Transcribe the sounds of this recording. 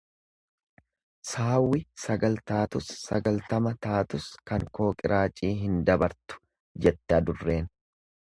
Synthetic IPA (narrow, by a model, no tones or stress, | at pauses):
saːwːɪsɐɡɐlt̪aːt̪ʊsːɐ̰ɡɐlt̪ɐmɐt̪aːt̪ʊskɐŋko̞ːkʼɪɾʔaːt͡ʃʼiːɦɪnd̪ɐbɐɾt̪ʊ̥ | d͡ʒɛt̪ːɪɐd̪ʊrːe̞ːn